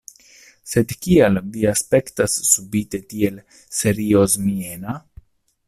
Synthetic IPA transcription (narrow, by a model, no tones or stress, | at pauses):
se̞d̪kialviaspe̞ktasːubit̪e̞tie̞l | se̞ɾiozmiena